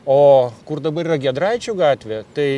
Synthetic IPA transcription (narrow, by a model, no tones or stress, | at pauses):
oːkʊrd̪ɐbɐɾiːrɐɡʲɛd̪ɾɐɪt͡ʃʲuɡɑːt̪ʲʋʲeːt̪ɐɪ